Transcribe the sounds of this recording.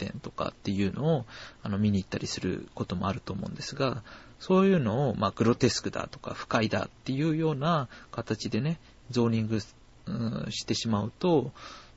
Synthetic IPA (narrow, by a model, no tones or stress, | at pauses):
t̪ẽ̞̰nt̪o̞̥ka̰t̪ːe̞jɯ̟ːnʔo̞ːano̞mʲiɲ̟iːt̪ːaɾʲisɨɾɯ̟̰ko̞t̪o̞mo̞̰aɾɯ̟t̪o̞ːmo̞̰ɯ̟̃nd̪e̞sɨɡa | so̞ːjɯ̟ːno̞ːmaɡɯ̟ɾo̞t̪e̞sɨ̥kɯ̟d̪a̰t̪o̞̥ka̰ɸɯ̟̥kaid̪a̰t̪ːe̞jɯ̟ːjo̞ːnakat̪at͡ɕid̪e̞ne̞ | d͡zo̞ːɲ̟ĩŋɡɯ̟ | ɯ̰̃ɕi̥t̪e̞ɕimaɯ̟t̪o̞